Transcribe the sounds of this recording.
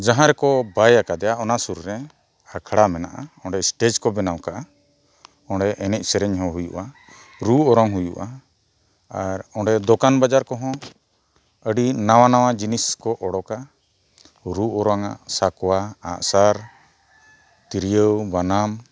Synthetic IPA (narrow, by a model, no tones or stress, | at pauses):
d͡ʒaɦãɾɛkɔbajakad̪ɛjaʔɔnasuɾɾɛ | akʰɽamɛna̰ʔaɔ̃ɳɖɛsʈed͡ʒkɔbɛnawkaʔa | ɔ̃ɖɛʔɛnɛc̚ˀsɛɾɛɲɦɔ̃ɦujṵʔa | ɾuɔɾɔŋɦujṵʔa | aɾɔ̃ɖɛd̪ɔkanbad͡ʒaɾkɔɦɔ̃ | əɖinawanawad͡ʒiniskɔʔɔɽɔka | ɾuɔɾɔŋa̰ʔsakwaa̰ʔsaɾ | t̪iɾijəwbanam